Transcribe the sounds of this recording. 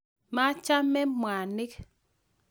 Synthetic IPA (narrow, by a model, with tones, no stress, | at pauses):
ma˦t͡ʃa˦mɛ˦mwa˨nɪ˦k